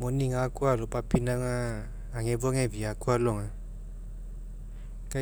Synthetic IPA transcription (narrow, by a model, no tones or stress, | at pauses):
monĩŋãkualopapinãŋã | aŋevoŋɛviakualoŋã | ka